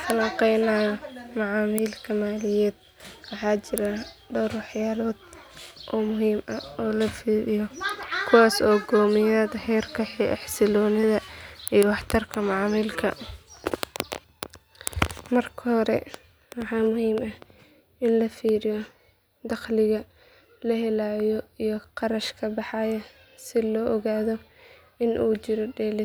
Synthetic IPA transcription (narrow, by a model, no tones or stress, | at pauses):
t̪ʰɐlɐqɛjnaːjɔmɑʕɑːmiːlkʰɐmaːlɪjɛːd̪̥̚ | wɑħɑːt͡ʃɪɾaɖɔwrwɑħjaːlɔːd̪̚ʔɔːmʊɦiːmɐɔːlɐfiːɾɪjɔkʰʊwaːsɔːɡɔːmɪjɐd̪ɐhɛːrkʰɐħiɛħsɪlɔːnɪðɐijwɑħt̪ʰɐrkʰɐmɑʕːmiːlkʰɐ̰ | mɐrkʰɐhɔɾɛ̰ | wɑħɑːmʊhiːmɐ | ɪnlɐfiːɾɪjɔ | d̪ɑqlɪɣɐ | lɐɦɛlaːjɔijɔqɑɾɐʃkʰɐbɑħɑjɐ | sɪlɔːʔɔɣaːðɔ | ɪnʔuːt͡ʃɪɾɔɖɛːlɪ